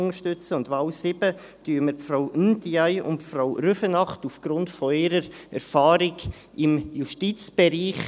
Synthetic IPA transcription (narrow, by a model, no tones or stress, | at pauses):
ʊŋəʃtʏt͡səʊntʋɑwsɪbə | tyːəməɾfɾaʊyndiajʊ̰ntfɾaʊɾøfənɑχtufɡ̥ɾʊntfɔɪɾəɾɛɾfɑːɾɪk | ɪmjuʃtit͡sb̥ɛɾiːχ